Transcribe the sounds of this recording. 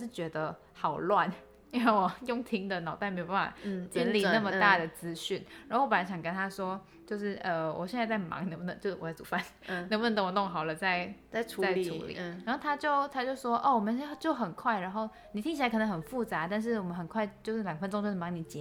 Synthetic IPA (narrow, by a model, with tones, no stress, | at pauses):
ʂɻ̩˥˩t͡ɕɥɛ˧˥d̪ə˧ | xɑ˨˩ʊlwa˥˨n˥˩˥ | jʊ˥˧ŋt̪ʰi˧˥ŋd̪ə˨nɑ˨˩ʊt̪a˥˩nme˧˥o˨˩ba˥˩a̰˨˩i˧˥nli˥˧na˥˩mə˨t̪a˥˩d̪ə˩t͡sɹ̩˥ɕy˥˩nɻa˨˧˥o˥˩wɔ˧pə˩na˧˥ɕjɑ˨˩ŋkə˥nt̪ʰa˥ʂwɔ˥ | t͡ɕjo˥˧ʊʂɻ̩˥˩ʔə˧wɔ̰˨˩ɕjɛ˥˧nt͡sa˥˧ɪt͡sa˥˩ɪmɑ̰˧˦ŋnə˧˥bu˧nə˧˦t͡ɕjʊʂ̩˥˩ɔ˨t͡sa˥˩t͡su˨˩fa˥˩n˩ | ə˧˥ŋbu˧˩ə˧˦ŋt̪ə˨˦wɔ˨˩ʊ˥ŋxɑ˨˩ʊlə˦t͡sa˥˩ɪa˥˩ʈ͡ʂʰu˧t͡sa˥˩ɪʈ͡ʂʰṵ˧˥lḭ˨˧ɻa˧˥nxo˥˩t̪ʰa˥t͡ɕjo˥˧ʊt̪ʰa˥t͡ɕjo˥˧ʊʂwɔ˥ʔɔ˥˩wɔ˨˩mə̃˦n˥t͡ɕjo˥˩ʊxə˨˩nkʰwa˥˩ɪɻa˧˥nxo˥˩ʊ | ni˨˩t̪ʰi˥ŋt͡ɕi˨˩a˧˥kʰə˨˩n˧˥ŋxə˨˩nfu˥˩t͡sa˧˥˦t̪a˥˧nʂ̬ɻ̩˥˩wɔ˨˩mə˦nxə˨˩nkʰwa˥˧ɪt͡ɕjo˥˧ʊʂɻ̩˥˩ljɑ˨˩ŋfə˥nʈ͡ʂo˧˥ŋt͡ɕo˥˧ʂ̩˥˩mɑ˧˥ŋni˨˩t͡ɕjɛ˧˦